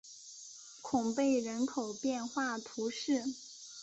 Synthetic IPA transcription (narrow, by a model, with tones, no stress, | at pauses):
kʰʊ˨˩ŋpe˥˩ɪɻə˧˥nkʰo˨˩ʊpjɛ˥˧nxwa˥˩t̪ʰu˧˥ʂɻ̩˥˩